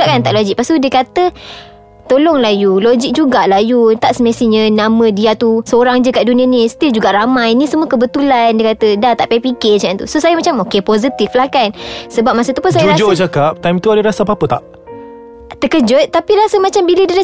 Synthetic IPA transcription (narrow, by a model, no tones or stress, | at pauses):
aʔkant̪aʔlod͡ʒik̚past̪udəkat̪ə | t̪olɔŋlajulod͡ʒik̚d͡ʒuɡaʔlajut̪aʔsəmasiɲənamə̃diat̪usəoɾaŋd͡ʒəkaʔdunĩəniist̪ild͡ʒuɡaʔɾamãjnisəmuəkəbət̪ulandiəkat̪ədat̪aʔpapiket͡ʃant̪ṵsosajəmat͡ʃamokepozit̪iflakansəbap̚masət̪upunsajaad͡ʒd͡ʒakap̚t̪ajmt̪uadəɾasapapət̪aʔ | t̪əkəd͡ʒʊt̪̚ːapiɾasəmat͡ʃambilədəla